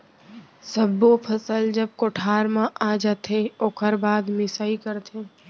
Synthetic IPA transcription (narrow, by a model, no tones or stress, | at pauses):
səbopʰɐsəld͡ʒɐb̚koʈʰaːɾmãʔaːd͡ʒat̪ʰeoːkʰəɾbaːd̪mɪsaikɐɾt̪ʰẽ